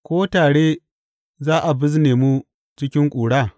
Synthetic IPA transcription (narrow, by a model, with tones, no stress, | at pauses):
kʷoː˦taː˨ɽe˦ | zaː˦ʔa˨bɪ˦zneː˨mu˦ | t͡ʃɪ˦kʲɪ˦ŋkʷʼuː˨ɽaː˦˨